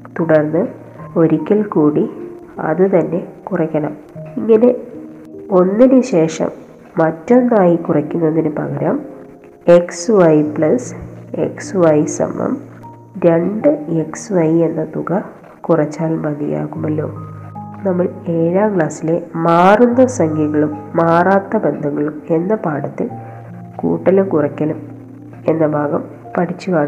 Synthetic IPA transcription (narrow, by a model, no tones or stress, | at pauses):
t̪uɽɐrnːɨ | o̞ɾikʲːɐlkuːɽi | ɐ̰ðɨt̪ɐnːe̞kurɐkʲːɐɳɐm | iŋːɐne̞ | o̞nːinɨɕe̞ːʂɐ̰mː | ɐtːo̞nːaːjikurɐkʲːunːonːinɨpɐ̰ɣɐɾam | e̞ksʋɐjpɭɐsḛksʋɐjsɐ̰mːɐ̰m | ɾe̞ɳɖɨeksʋɐje̞nːɐt̪uɣɐ | kurɐt͡ɕːaːlmɐðija̰ːɣumɐlːo̞̰ːnɐmːɐɭeːɻaːkɭaːsile̞maːrunːɐsɐŋɡʱiɣɐɭumːaːraːt̪ːɐbend̪ʱɐŋːɐɭume̞nːɐpaːɽɐt̪ːi | kṵːʈːɐlumkurɐkʲːɐlum | e̞nːɐbʱaːɣɐm | pɐʈʰit͡ɕːuɣaːɳɨ